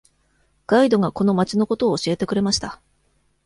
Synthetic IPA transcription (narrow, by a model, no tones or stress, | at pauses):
ɡ̥aid̪o̞ɡako̞no̞mat͡ɕino̞ko̞t̪o̞ːɕie̞t̪e̞kɯ̟ɾe̞maɕi̥t̪a